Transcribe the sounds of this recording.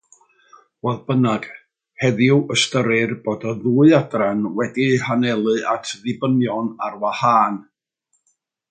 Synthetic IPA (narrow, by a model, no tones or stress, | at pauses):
voːðbənaɡ̥ | hɛðjʊwəstəɾɨrb̥oːdɔðuːɨadranwɛdihanɛlˠɨʔatʰðɪbənjɔnarwahaːn